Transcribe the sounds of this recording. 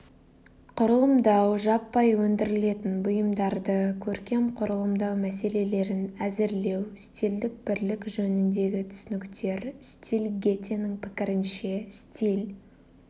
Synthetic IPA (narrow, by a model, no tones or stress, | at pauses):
qʰʊɾəlˠəmd̪ɑwʒɑpːɑjwɵnd̪ɪɾɪle̞t̪ɪnbʊjəmd̪ɑɾd̪əkʲʰɵɾkʲe̞mqʰʊɾəlˠəmd̪ɑwmæse̞le̞le̞ɾɪnæzɪɾle̞wst̪ild̪ɪk̚b̥ɪɾlɪkʒɵnɪnd̪e̞ɡʲɪt̪ʰʏ̥sɪnɪkt̪e̞ɾst̪ʰilʲɡʲe̞t̪ʲe̞nɪŋpʰɪ̥kʲɪɾɪnʃe̞st̪ʰil